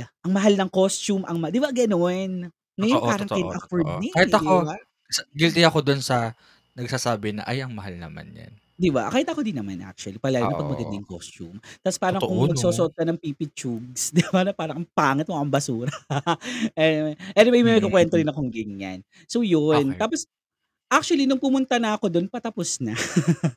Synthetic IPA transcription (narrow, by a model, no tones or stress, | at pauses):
ʔɐŋmɐɦalnɐŋkost͡ʃumʔɐŋmɐd̪ɪbaɡɐno̞n | ŋɐjonpaːɾɐŋɐnɐfɛɹnikaːhɪɐkoba | sɡɪlt̪ɪɐkod̪onsɐ | nɐɡ̚saːsaːbɪnɐ̰ʔɐjʔɐŋmɐhalnɐ̰ma̰njɐ̰n | d̪iba̰kaːhɪt̪ɐkod̪inɐmanʔa̰k̚t͡ʃuɐlipɐlaːjɐnɐpɐɡ̚mɐɡɐd̪ɪŋko̰st͡ʃṵmt̪ɐspaːɾɐŋkoŋmɐɡsoːsoʔod̪̚kɐnɐŋpipɪt͡ʃuɡ̚sd̪ɪbanɐpaːɾɐŋpaːŋɪt̪̚moʔɐŋbɐsuːɾɐ | ɛʔɛnɛmɐjmɛmɛkokwɛnt̪od̪ɪnɐkoŋɡɪŋːa̰n | so̞jont̪aːpos | ʔak̚t͡ʃuɐlinʊŋpʊmʊnt̪ɐnɐɐko̞d̪o̞npɐt̪ɐpʊsnɐ